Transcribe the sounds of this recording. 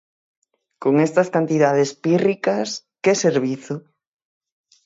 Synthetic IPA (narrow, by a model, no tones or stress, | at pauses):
koŋest̪ɐskant̪iðaðespirikɐs | keseɾβiθo